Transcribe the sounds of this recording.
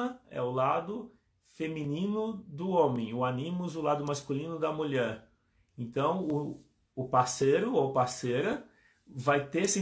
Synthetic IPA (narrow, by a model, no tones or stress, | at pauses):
ɐɛ̰ʊlad̪ʊ | femĩnĩnʊd̪ʊõmẽj̃ʊanĩmʊɛzʊlad̪ʊmaskulĩnʊd̪ɐmuʎɛɾ | ẽnt̪ɐ̃w̃ʊː | pasejɾʊopasejɾɐ | vajt̪esɪ